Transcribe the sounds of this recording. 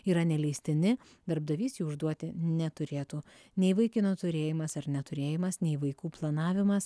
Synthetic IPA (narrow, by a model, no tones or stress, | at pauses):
iːɾɐnʲɛlʲɛɪsʲt̪ʲɪnʲɪ | d̪ɐɾb̚d̪ɐʋʲiːsʲjuːʊʒd̪uɔt̪ʲɪnʲɛt̪ʊɾʲeːt̪uː | nʲɛɪʋɐɪkʲɪnot̪ʊɾʲeːjɪmɐsɐɾnʲɛt̪ʊɾʲeːjɪmɐsnʲɛɪʋɐɪkuːplˠɐnɑːʋʲɪmɐs